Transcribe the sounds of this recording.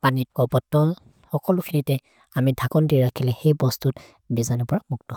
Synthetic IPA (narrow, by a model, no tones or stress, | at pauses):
panit̚kɔpɔtːɔl | xɔkɔlʊkʰinitɛ | amidʱakɔndiɹakʰilɛxejbɔstut | bizanɔpɔɹamuk̚tɔ